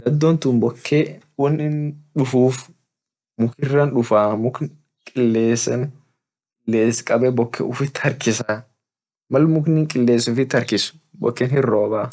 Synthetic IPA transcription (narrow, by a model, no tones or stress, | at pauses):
ɡ̪ɐd̪ːoːnt̪ʊmbɔkʰːewɔnːɪnᶑʊfuːf | mʊkɪrːɐnᶑʊfaːmʊkn | kʼɪlːeːsɐn | kʼɪlːeːskʼɐbɛbɔkʰːɛ̰ʊfɪt̪ːhɐɾkɪsaː | mɐlmʊknɪŋkʼɪlːeːsʊfɪt̪ːɐɾkɪsʊ̥ | bɔ̰kːɛnhɪrːoːbaː